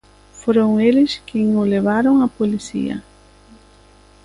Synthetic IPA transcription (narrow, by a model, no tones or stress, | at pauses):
foɾoŋelɪskeŋʊleβaɾoŋɐpolisḭɐ̰